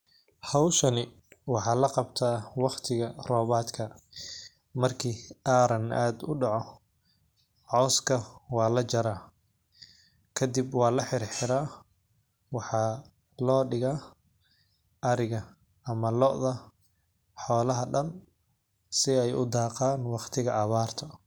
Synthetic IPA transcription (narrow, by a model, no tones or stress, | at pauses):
hɑwʃɐnɪ | wɑħɑːlɐqɑbt̪ʰaːwɑqt̪ʰɪɣɐrɔːβaːd̪kʰɐ | mɐrkʰiːaːɾɐnʔaːd̪ʊɖɑʕɔ | ʕɔːskʰɐwɑːlɐt͡ʃɐɾaː | kʰɐd̪ibwɑːlɐħɪrħɪɾaː | wɑħɑː | lɔːɖɪɣa | ʔɐɾɪɣɐ | ɐmɐlɔʔðɐ | ħɔːlɐɦɐɖɐn | sɪɛjʔʊ̰d̪ɑːqaːnwɑqt̪ʰɪɣɐʔɐβaːrt̪ʰɐ